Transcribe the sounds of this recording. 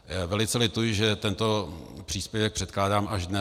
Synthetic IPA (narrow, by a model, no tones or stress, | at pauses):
vɛlɪt͡sɛlɪt̪ujɪʒɛt̪ɛnt̪opr̥iːspjɛvɛk̚pr̥ɛt̪̚klaːdaːmaʒdnɛ